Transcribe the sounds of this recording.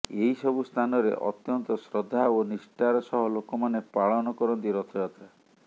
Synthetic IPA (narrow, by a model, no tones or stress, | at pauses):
eɦisɔbust̪ʰanɔɾḛʔɔ̰t̪jɔnt̪ɔsɾɔd̪ʱːaonisʈaɾɔsɔɦɔlokɔmanepaɭɔnɔkɔɾɔnt̪iɾɔt̪ʰɔjɔt̪ʰa